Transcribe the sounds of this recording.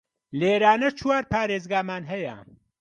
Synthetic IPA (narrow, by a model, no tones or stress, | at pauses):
leːɾaːnɐt͡ʃʰwaːɾpʰaːɾeːzɡaːmaːnɦɐjɐ̰